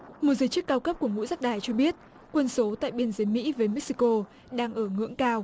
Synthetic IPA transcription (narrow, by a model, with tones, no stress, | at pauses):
mo˨˩t̚zəː˨˦jt͡ɕɨ˦˥kːaː˧wkə˦˥p̚ku˧˩əŋṵ˧˥zaː˦˥k̚ɗaː˧˩jt͡ɕɔ˧ɓi˦˥ət̚ | kwə˧nso˨˦t̪a̰ː˧˨jɓi˧ənzəː˨˦jmḭ˧˥vəː˨˦jmɛ˦˥k̚si˧ko˧ | ɗaː˧ŋʔəː˧˩ŋɨ̰˧˥əŋkaː˧w